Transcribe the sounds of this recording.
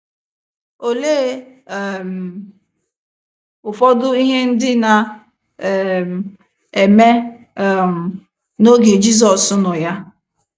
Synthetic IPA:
o˨le˦˨ | m̩˨ | ʊ˨fɔ˦dʊ˦i˦ɦe˦n̩˦dɪ˦na˨ | m˨ | e˨me˦˨ | m̩˨ | no˦ɡe˨d͡ʒi˦z̬ɔ˨sʊ˦nʊ˨ja˦

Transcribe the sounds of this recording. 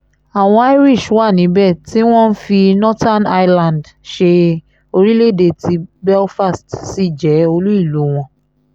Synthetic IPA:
a˨w̃ɔ̃˧a˦i˦ɾi˦˨ʃwa˦˨nĩ˨˦bɛ˦˨ti˦w̃ɔ̃˦n̩˦fi˧nɔ˦ta˦˨na˦jlã˨nd | ʃe˧ | o˧ɾi˦le˦˨de˦˨ti˧bɛ˦lfa˦stsi˦˨d͡ʒɛ˨˦o˧lu˦i˦˨lu˨˦w̃ɔ̃˧˦

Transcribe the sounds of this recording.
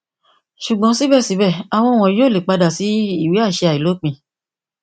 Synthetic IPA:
ʃu˨ɡ͡bɔ̃˨˦si˦bɛ˦˨si˨˦bɛ˦˨a˨w̃ɔ̃˧˦˧w̃ɔ̃˨˦jo˦˨le˨k͡pa˧da˨si˨˦i˦˨wi˨˦a˦˨ʃe˧a˨i˨lo˨˦k͡pĩ˧˨

